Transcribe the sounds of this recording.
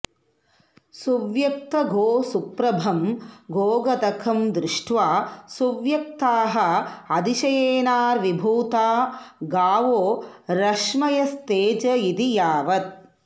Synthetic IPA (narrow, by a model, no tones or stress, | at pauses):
suʋjɐk̚t̪ɐɡʱoːsupɾɐbʱɐmɡʱoːɡɐd̪ɐkʰɐmd̪ɾɪʂʈʋaːsuʋjɐk̚t̪aːɦɐ̆ɐd̪iʃɐjeːnaːɾʋibʱuːt̪aːɡaːʋoːɾɐʂmɐjɐst̪eːd͡ʒɐid̪ijaːʋɐt̪̚